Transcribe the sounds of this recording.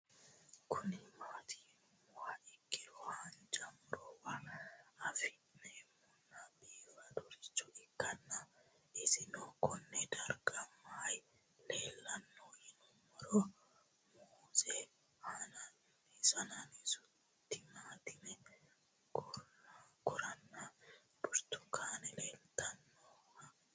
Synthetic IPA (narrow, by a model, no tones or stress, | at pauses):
kʰʊnɪmaːt̪ʰɪmmɔhaʔɪkːɪɾɔhand͡ʒɐmʊɾɔwaɐfɪnːɛmːɔnːabiːwɐd̪ɔɾɪt͡ʃːɔʔɪkːɐnːɐ | ɪsɪnokɔnːɛd̪ɐɾɡɐmːaj | leːlːɐnːohɪnʊmɔɾo | muːse | hanan | ɪsɐnanɪsʊ | t̪ːɪmaːt̪ɪmɛ | kɔlːakɔɾɐnːa | dʊɾt̪ʊkʰaːnɛleːlt̪ɐnːoːh